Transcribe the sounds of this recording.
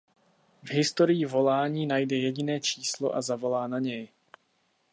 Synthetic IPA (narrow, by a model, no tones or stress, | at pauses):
vɦɪst̪oɾɪjɪvo̞laːɲiːnajdɛjɛɟɪnɛːt͡ʃiːslo̞̰ʔazavo̞laːnaɲɛj